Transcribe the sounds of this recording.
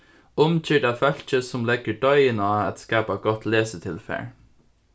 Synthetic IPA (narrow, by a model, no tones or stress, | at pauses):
ʊmc͡çʰiːɖæt̪ʋœlt͡ʃəsɔmlɛɡəɖœʏənɑːæt̪skɑːpɑɡɔt̪leːsət̪ʰɪlfæ̰ːɹ